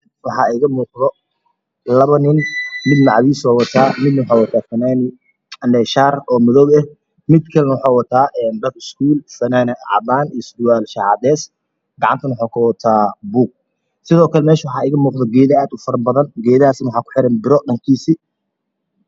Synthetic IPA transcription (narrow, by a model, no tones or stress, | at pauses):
wɑħɑːɛɣɐmuːqðɔ | lɐβɐnɪnmɪd̪nɑʕɑβiːsɔːwɐt̪ʰaːmɪd̪nɐwʊħɑːwɐt̪ʰaːfɐnaːnɪ | ɐnɛːʃaːrɔːmɔðɔwɛh | mɪd̪kʰɐlɛnɐwɑħɑːwɐt̪ʰaːʔɛːnd̪ɐkɪskʰuːlfɐnaːnɪ̰ʕɑ̰baːnisd̪ʊwaːlʃaʕɑ̰d̪ɛːs | ɡɑʕɑ̰nt̪ʰɐnwʊħakʰʊwɐt̪ʰaːbuːɡ̚ | sɪðɔːkʰɐlɛmɛːʃɐwɑħɑːɛɣɐmuːqðɔɡɛːðɐaːd̪ʊfɐrbɐðɐnɡɛːðɐaːsnwħɑːkʊ̥ħɪɾɐnbɪɾɔɗɐŋkʰiːsiː